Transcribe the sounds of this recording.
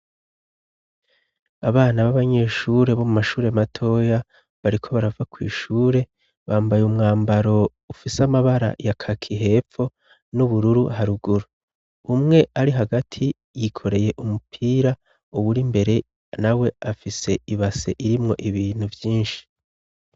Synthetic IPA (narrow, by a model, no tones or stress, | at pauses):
aβaːnaβaβaɲe̞ːʃuːɾe̞βo̞mumaʃuːɾe̞jamatʰo̞ja | βaɾikʰo̞βaɾavakwḭːʃuːɾe̞ | βaːmbajumŋaːmbaɾo̞ | ufisamaβaɾa̰jakʰakʰiɦe̞ːfo̞ | nuβuɾuɾuɦaɾuɡuɾu | umŋe̞aɾiɦaɡatʰi | jikʰo̞ɾe̞je̞ʔumupʰiːɾa | uβuɾimbe̞ɾe̞ | nawe̞afise̞iβase̞ʔiɾimŋo̞ʔiβiːn̥huvjiːnʃi̥